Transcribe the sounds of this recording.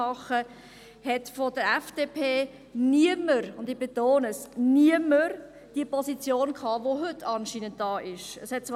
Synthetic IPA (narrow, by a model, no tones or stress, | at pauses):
ɑχə | hɛtfodəɾɛfd̥eːpʰeː | niəməɾʊndɪb̥etoːnəsniəməɾ | d̥iəpʰɔzit͡sjoːnkʰhɑːvoɦʏtʰːɑnʃiːnənt̚d̥ɑːʔɪʃəshɛt̚t͡s